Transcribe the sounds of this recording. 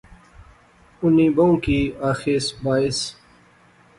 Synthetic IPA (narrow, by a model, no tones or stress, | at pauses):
unĩːbɐũkiːaːxeːsbaːis